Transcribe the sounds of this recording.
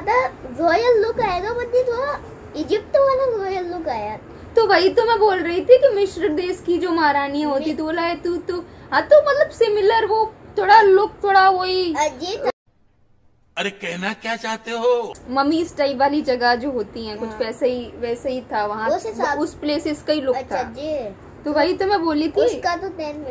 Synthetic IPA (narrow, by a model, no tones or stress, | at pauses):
ɐt̪azɔːjəlːʊkaːeɡabɐd̪it̪ʰoɾa | ɪd͡ʒɪp̚ʈ̪ʋalãɾɔːjəlːʊkaːja | t̪obʱait̪omɛ̃boːlɾɐɦit̪ʰikimɪʃɾəɾd̪eːskid͡ʒoːmaːɾaːniãɦoːt̪it̪ooːlaːet̪ut̪oat̪omɐt̪ləbsɪmɪləɾʋot̪ʰoːɽalʊk̚t̪ʰoːɽaɦoːed͡ʒi | ɐɾekɛɦnakjaːt͡ʃaːɦt̪eɦomɐmːiːɪsʈaːɪpʋaːlid͡ʒɐɡad͡ʒoːɦoːt̪iɦɛ̃kʊt͡ʃʰʋɛːsaɦiʋɛːsaɦit̪ʰaʋɐɦãʊspleːsɪskailʊt̪ʰaad͡ʒi | t̪obʱaːit̪omɛ̃boːlit̪ʰikat̪ot̪ɛːn